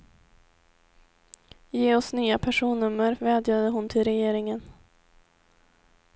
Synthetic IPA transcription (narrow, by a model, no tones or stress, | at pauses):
jeːɔsnyːapʰæʂuːnːɵmːəɾvɛːd̪jad̪əɦʊnt̪ʰɪlɾɛjeːɾɪŋən